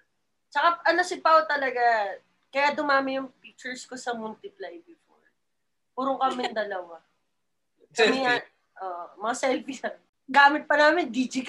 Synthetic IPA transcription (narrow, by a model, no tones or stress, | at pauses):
t͡ʃɐkaʔɐnosɪpɐʔot̪ɐlɐɡa | kɐjaːd̪ʊmaːmɪjʊŋpik̚t͡ʃɛɹskosɐmʊlt̪ɪplajbɪfo̰ɹ | puːɾoŋkɐmɪnd̪ɐlɐwa | kɐmɪɐ | ʔoːʔomɐŋasɛlfisɐ | ɡaːmɪt̪̚pɐnaːmɪnd̪iːd͡ʒɪk